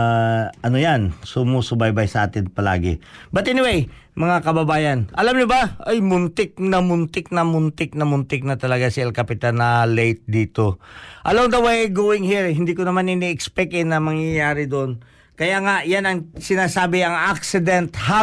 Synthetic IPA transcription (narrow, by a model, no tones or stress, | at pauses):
aʔɐnojansʊmusʊbajbajsɐʔa̰ːt̪ɪnpɐla̰ːɡɪ̰bɐt̪ʔɛnɪwej | mɐŋakɐbɐbaːjɐnʔɐlamɲʊbaʔɐjmʊnt̪ɪk̚nɐmʊnt̪ɪk̚nɐmʊnt̪ɪk̚nɐmʊnt̪ɪk̚nɐt̪ɐlɐɡasɪɐlkɐpɪt̪anɐlejt̪̚d̪iːt̪o̞ʔɐloŋd̪ɐwejɡoːwɪŋhiɹhɪnd̪iːkonɐmanɪniʔkspɛk̚ɪnːɐmɐŋjɐjaːɾɪd̪oʔon | kɐjaŋaʔjanɐŋsɪnaːsaːbɪɐŋak̚sɪd̪ɛnt̪ha